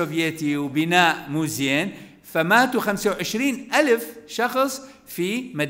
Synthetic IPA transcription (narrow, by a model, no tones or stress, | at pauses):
ovjeːt̪iwbɪnaːʔmuːzjeːn | famaːt̪uxamsawʕɪʃɾiːnʔalfʃɑxsˤ | fimad̪